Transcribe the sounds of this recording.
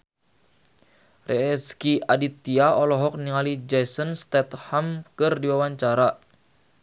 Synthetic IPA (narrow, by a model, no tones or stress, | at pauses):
rɛɛskiadit̪iaɔlɔɦɔk̚niŋalid͡ʒɛsənst̪ɛt̪hamkɨrdiwawaɲt͡ʃaɾa